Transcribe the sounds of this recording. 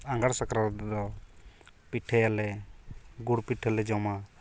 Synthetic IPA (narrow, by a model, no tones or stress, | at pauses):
aŋɡaɽsakɾad̪ɔ | piʈʰɛjalɛ | ɡuɽpiʈʰɛlɛd͡ʒɔma